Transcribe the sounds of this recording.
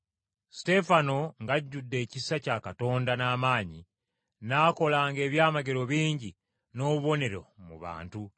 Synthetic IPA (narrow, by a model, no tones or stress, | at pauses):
si̥te̞fano̞ŋɡaɟːudːe̞ːcisacakato̞ːndanaːmaːɲḭ | naːko̞laːŋɡe̞ːβjaːmaɡe̞ɾo̞βiːɲɟi | no̞ːβuβo̞ne̞ɾo̞̰mṵβa̰ːntu